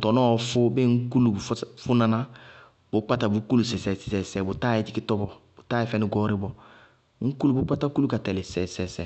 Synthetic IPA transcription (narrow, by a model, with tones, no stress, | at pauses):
tɔ˨nɔ˦˨fʊ˦bɪ˦ŋ̩˦ku˦lu˨˦fʊ˦nã˨na˦ | bʊ˨˦k͡pa˦ta˨bu˨˦ku˦lu˨sɛ˨sɛ˨sɛ˨sɛ˨sɛ˨bʊ˨taː˦ɛ˨˦d͡ʒi˦kɪ˦tɔ˦bɔ˨bo˨taː˦ɛ˦fɛ˦nɪ˦ɡɔ˦ɾɪ˦bɔ˨ | ŋ̩˦ku˦lu˦bʊ˦k͡pa˦ta˦ku˦lu˦ka˨tɛ˨lɪ˨sɛ˨sɛ˨sɛ˨